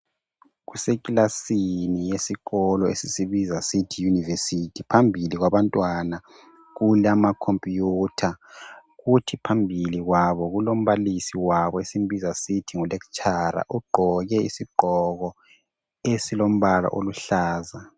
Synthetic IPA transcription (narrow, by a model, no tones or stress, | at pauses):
ɣusekʼilasinijesiɣɔlɔesisiβizasitʰijunivesitʰipʰambʱiliɣwaβantʼwana | ɣulamakʰompʼjutʰaɣutʰipʰambʱiliɣwaβɔɣulom̩βalisiwaβɔesim̩bizasitʰiŋulekt͡ʃʼʰaɾa̰ʔuɡ͡ǃʱɔɣɛḭsiɡ͡ǃʱɔɣɔ | esilom̩βala̰ʔo̰luɬaːza